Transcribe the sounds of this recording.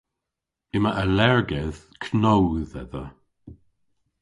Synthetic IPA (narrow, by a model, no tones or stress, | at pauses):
ɪməʔəlɛɹɡɛð̥ | kʰnowðɛ̰ðə̰